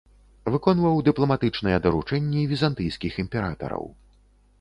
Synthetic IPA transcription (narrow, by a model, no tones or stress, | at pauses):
vɨkɔnvɐwd̪ɨplˠɐmat̪ɨt͡ʂnɐjɛd̪ɐɾut͡ʂɛnʲːɛvʲizant̪ɨjskʲiximʲpʲɛɾat̪ɐ̰ɾɐ̰w